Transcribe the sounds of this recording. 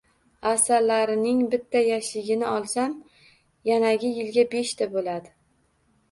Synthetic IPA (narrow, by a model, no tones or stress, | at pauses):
asalːaɾɪnɪŋbɪt̪ʰːajaʃɪɡʲɪnɪɒlˠsam | janaɡʲɪjɪlɡʲabe̞ʃt̪ʰabolad̪ɪ